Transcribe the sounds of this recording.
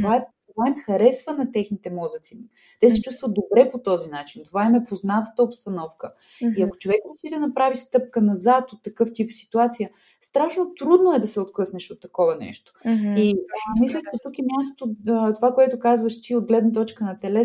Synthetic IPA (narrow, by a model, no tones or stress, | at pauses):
tt̪ovaɛt̪ovaimxɐɾɛsvənɐt̪ɛxnit̪ɛmɔzət̪sim | t̪ɛsɛt͡ʃust̪vəd̪obɾɛpot̪ɔzinat͡ʃint̪ovaimɛpoznat̪ə̥t̪əopst̪ɐnɔfkə | iɐko̥t͡ʃovɛkɾosit̪ɛnɐpɾavist̪ɤp̚kənɐzat̪ot̪ːɐkɤft̪ipsi̥t̪uat̪sijə | st̪ɾaʃnot̪ɾud̪noɛd̪ɐsɛot̪̚klˠɤsnɛʃot̪ːɐkɔvɐnɛ̰ʃt̪o̥imislʲəʃt͡ʃɛt̪ukɛmjast̪o̥t̪ot̪ovakoɛt̪ʊkazvəʃt̪iod̪̚ɡlɛd̪nɐt̪̬ɔt͡ʃkənɐt̪ɛlɛ